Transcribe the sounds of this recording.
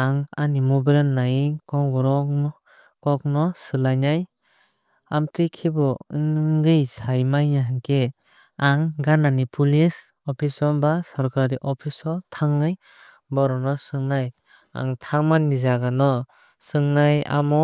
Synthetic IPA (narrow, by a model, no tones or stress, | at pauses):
aŋanimubeɾenːajikɔŋɡɔɾɔɔ | kɔk̚nɔsɯlajnaj | amtɯkʰibɔɯŋɡɯjsajmajnaɦŋkʰe | aŋɡananipʰulis | ɔpʰisɔbasɔɾkʰaɾiʔɔpʰisɔtʰaŋːɯj | bɔɾɔnɔsɯŋnaj | a̰ŋtʰaŋmannːizaɡanɔ | sɯŋnaja̰mɔ